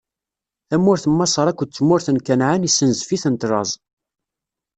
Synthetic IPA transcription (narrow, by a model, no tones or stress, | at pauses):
θæmːʊɾθəmːɑsˤəɾˤækʷːət͡sːmːʊɾθənkænʕanisːənzfiθənt̪ɾˤɑzˤ